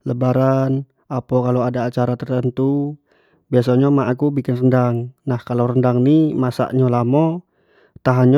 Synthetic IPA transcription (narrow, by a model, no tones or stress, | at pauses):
ləbaɾan | apokalowadaːt͡ʃaɾat̪ərt̪ənt̪u | bias̬aɲamaʔakubikɪnrəndaŋnahkalawrəndaŋnimasa̰ʔɲalamɔ | t̪aɦaɲ